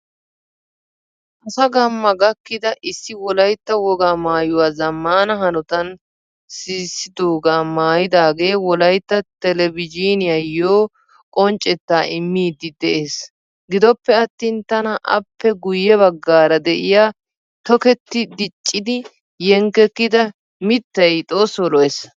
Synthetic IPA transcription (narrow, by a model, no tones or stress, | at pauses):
ʔʔɐsɐɡɐmːɐɡɐkːɪd̪ɐʔɪsːɪwɔlɐjt̪ːɐwɔɡaːmaːjʊwaːzɐmːaːnɐɦɐnɔt̪ɐn | siːsːɪd̪oːɡamaːjɪd̪aːɡe̞ːwɔlɐjt̪ːɐt̪ɛlɛvɪd͡ʒiːnɪjɐjoː | kʼɔnt͡ʃʼɛt̪ːaːʔɪmːiːd̪ɪd̪ɛʔe̞ːs | ɡɪd̪ɔpːɛɐt̪ːiːnt̪ɐnɐʔɐ̰pːɛɡʊjːɛβɐɡːaːɾɐd̪ɛʔɪjaː | t̪ɔkɛt̪ːɪd̪ɪt͡ʃʼːɪd̪ɪ | jɛŋkːɛkːɪd̪ɐ | mɪt̪ːɐjt̪ʼo̞ːsɔlɔʔes